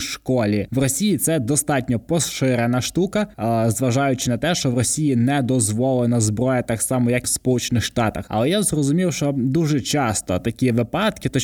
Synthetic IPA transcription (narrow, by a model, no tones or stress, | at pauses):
ʃkɔlʲiʋrɔsʲijit̪sɛd̪ɔst̪ɑtʲnʲɔpɔsʃɪɾenɐʃt̪ukɐzʋɐʒɑjʊt͡ʃɪnɐt̪ɛʃt͡ʃɔʋrɔsʲijinɛd̪ɔzʋɔlˠenɐzbɾɔjɐt̪ɑksɑmɔjɐkwspɔlˠut͡ʃenɪxʃt̪ɑt̪ɐ̰xɐ̰lˠɛjazrɔzʊmʲiwʃt͡ʃɔd̪uʒɛt͡ʃɑst̪ɔt̪ɐkʲiʋɪpɑt̪kɪt̪ɔ